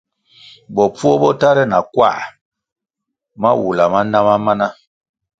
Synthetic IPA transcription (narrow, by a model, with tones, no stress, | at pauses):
bɔ˨pu˦ɔ˦bɔ˦ta˦ɾɛ˦na˨kwa̰˦˨ʔ | ma̰˦wu˨la˨ma˦na˦ma˦ma˦na˦